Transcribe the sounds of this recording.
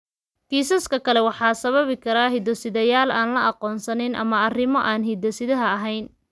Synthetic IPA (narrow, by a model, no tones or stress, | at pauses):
kʰiːsɐskʰɐkʰɐlɛwɑħɑːsɐβɐβɪkʰɐɾaːɦid̪ɔsɪðɐjaːlaːnlɐɑqɔːnsɐnɪnʔɐ̰mɐɐrɪmɔʔaːnɦid̪ɔsɪðɐɦɐɐɦɛjn